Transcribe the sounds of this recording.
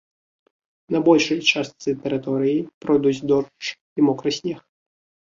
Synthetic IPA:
nɐbɔlʲʂɨjt͡ʃast̪sɨt̪ɛɾɨt̪ɔɾɨjipɾɔjd̪ut͡sʲd̪ɔʂt͡ʂ | imɔkɾɨsʲnʲɛx

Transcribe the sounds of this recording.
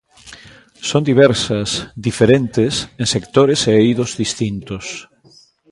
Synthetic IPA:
sond̪iβ̞ɛɾsɐsd̪ifeɾent̪esẽŋsekt̪oɾeseejðozðist̪int̪os

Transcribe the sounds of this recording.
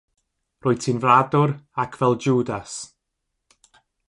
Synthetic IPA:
roːj̥tʰinvradʊɾakʰv̥ɛlˠd͡ʒuːdas

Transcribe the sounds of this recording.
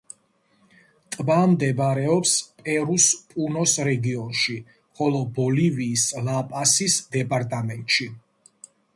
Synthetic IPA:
t̪ʼvamd̪ɛbɾɛɔpspʼɛɾuspʼunɔsɾɛɡiɔnʃi | χɔlˠɔbɔliviːslapʼasisd̪ɛpʼaɾt̪ʼamɛnt̪ʼʃi

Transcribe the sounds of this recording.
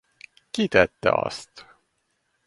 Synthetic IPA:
kit̪ɛt̪ːɛɒ̰st̪

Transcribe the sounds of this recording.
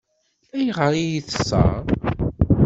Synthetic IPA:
æjʁəɾˤijiθə̥sːɑ̰

